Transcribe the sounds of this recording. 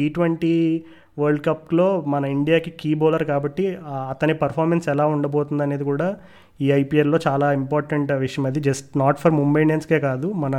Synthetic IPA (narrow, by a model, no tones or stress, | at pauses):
d͡ʒiːʈʋɐɳʈiː | ʋɐɾɖkɐplo̞ːmɐnɐiɳɖijaːkikiːboːlɐɾkaːbɐʈːiɐt̪ɐnipɐɾpʰaːɾmensɛlaːuɳɖɐboːt̪und̪ɐne̞ːd̪ikuːɽaː | iːɐjpiːɐɾlo̞ːt͡ʃaːlaːimpaːɾʈɐɳʈʋiʂɐjɐmɐd̪id͡ʒɐsʈnaːʈpʰɐɾmumbeɳɖenskeːkaːd̪umɐnɐ